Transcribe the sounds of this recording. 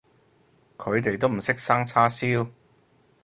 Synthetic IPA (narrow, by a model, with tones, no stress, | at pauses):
kʰɵ˨˧ɥt̪e˨jt̪o˥wm̩˨˩sɪ˥k̚saː˥ŋt͡sʰaː˥siː˥w